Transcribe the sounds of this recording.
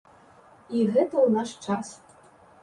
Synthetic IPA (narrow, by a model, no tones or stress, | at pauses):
iɣɛt̪ɐwnaʂt͡ʂas